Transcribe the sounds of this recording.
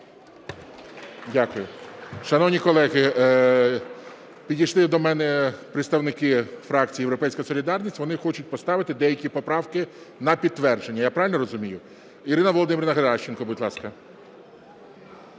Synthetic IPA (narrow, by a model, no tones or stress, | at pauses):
dʲakʊjʊʃɐnɔwnʲikɔlˠɛɣɪ | pʲidʲijʃlˠɪd̪ɔmɛnɛpɾet̪st̪ɐwnɪkɪfɾɑk̚t͡sʲijewɾɔpɛjsʲkɔjɐsɔlʲid̪ɑrnʲisʲtʲʋɔnɪxɔt͡ʃʊt̚ʲpɔst̪ɑʋɪt̪ɪd̪ɛjɐkʲipɔpɾɑwkɪnɐpʲid̪̚t̪ːʋɛrd͡ʒenʲːɐjapɾɑʋɪlʲnɔɾɔzʊmʲijʊ | iɾɪnɐʋɔlˠɔd̪ɪmʲɪɾɪnɐɦɐɾɑʃt͡ʃenkɔbʊdʲlˠɑskɐ